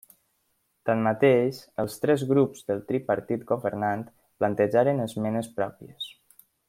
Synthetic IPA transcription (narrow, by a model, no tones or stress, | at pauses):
t̪anmət̪eʃəlˠst̪ɾɛzɣɾupz̥ðəlˠt̪ɾipəɾt̪it̪ɡoβəɾnant̪ | plənt̪əʒaɾənəzmɛnəspɾɔpiəs